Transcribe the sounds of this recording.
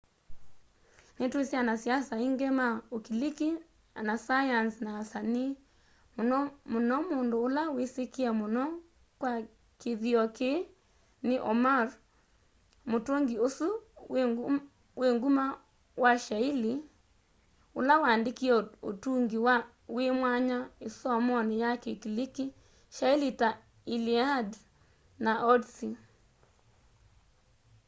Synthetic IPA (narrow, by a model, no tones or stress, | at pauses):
netwesjanasjasaiŋɡemaokiliki | anasajansnaːsani | mmonɔmondoːlawesekiamonɔ | kwa | keðiɔke | neʔɔmaɾ | motoŋɡiosu | weŋɡuma | waʃaili | o̰lawandekiɛo̰tuŋɡiwa | wemwaɲaesɔmɔnejakekiliki | ʃailita | iliad | naʔɔdsi